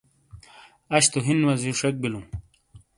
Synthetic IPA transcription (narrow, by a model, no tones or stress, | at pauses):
ɐɕt̪oɦinwɐziʂek̚bilũ